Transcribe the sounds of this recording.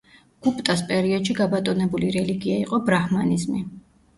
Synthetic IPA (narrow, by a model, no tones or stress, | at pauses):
ɡ̥upʼt̪ʼaspʼɛɾiɔd̪̥ʃiɡabat̪ʼɔnɛbuliɾɛliɡiaiqʼɔbɾahmanizmi